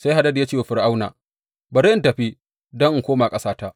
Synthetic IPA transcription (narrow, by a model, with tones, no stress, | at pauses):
sa˦jɦa˨dɐ˦dja˦t͡ʃeː˦˨wa˨ɸɪ˨rʔa˦wna̰ː˨ | bɐ˨ɾe˦ɪ˦ntɐ˨ɸi˦ | dɔ˦ŋʔŋ˨kʷoː˦maː˨kʼɐ˦saː˦ta˦ʔ